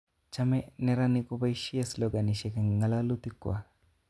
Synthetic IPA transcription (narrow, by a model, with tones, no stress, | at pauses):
t͡ʃame˦ne˦ɾani˦kuba˦jʃi˦asloɡa˨ni˨ʃe˨ka˨ŋ˨ŋa˨la˦lu˦t̪i˦kwa˨